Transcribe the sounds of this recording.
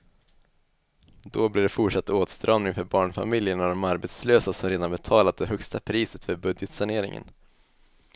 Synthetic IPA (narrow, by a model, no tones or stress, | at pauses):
d̪ɔblɪɖɛfʊʈʂat̪ːoːt̪st̪ɾɑːmnɪŋfœɾbɑːɳfa̰mɪljəɳɔd̪ɔmaɾbɛt̪sløːsasɔmɾeːd̪anbɛt̪ʰɑːlat̪̚d̪ɛɦœkst̪apʰɾiːsət̪fœɾbɵd̪jət̪saɳeːɾɪ̰ŋə̰n